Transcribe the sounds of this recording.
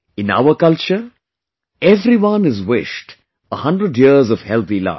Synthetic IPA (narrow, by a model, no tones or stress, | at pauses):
ɪ̃na̰ʊəkʌlt͡ʃəɾ | ɛʋɾiʋʌ̃nɪzwɪʃʈ | əhʌ̃ɳɖɾəɖjiəzɔʋhɛlt̪ila̰ɪ